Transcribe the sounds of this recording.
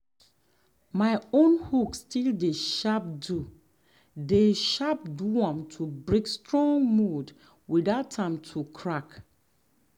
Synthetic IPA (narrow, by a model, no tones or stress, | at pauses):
maɪõnhukstildeʃap̚du | deʃap̚duãmtʰubɹekstɹɔ̃ŋmud | widaʊtãmtʰukʰɹak